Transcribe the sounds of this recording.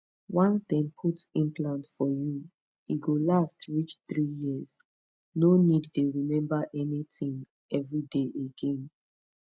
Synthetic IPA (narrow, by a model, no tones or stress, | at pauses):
wãnsdɛ̃npʰutsĩmplãntfɔju | iɡolastɹit͡ʃθɹijiəz | noniddeɹimɛ̃mbaʔɛnitĩŋ | ɛvɹideʔeɡẽn